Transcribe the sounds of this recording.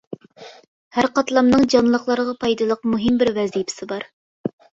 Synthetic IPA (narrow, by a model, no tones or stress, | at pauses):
hæɾqɑt̪lˠɑmnɨŋd͡ʒɑnlˠəqlˠɑɾəʁɑpʰɑjd̪ɨlˠəqmuɦɪmbɪɾvɛzijpʰɪ̥sɪbɑɾ